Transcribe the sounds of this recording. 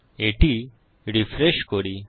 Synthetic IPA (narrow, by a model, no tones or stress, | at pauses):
eʈi | ɾifɾeɕkɔɾi